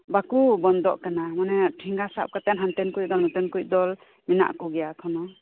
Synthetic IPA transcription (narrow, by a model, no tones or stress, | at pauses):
bakubɔnd̪ɔʔkanamanɛʈʰiŋɡasa̰p̚kat̪ɛnɦant̪ɛnkujʔ̚d̪ɔlnɔt̪ɛnkuj̚d̪ɔl | mina̰ʔkuɡɛjakʰɔnɔ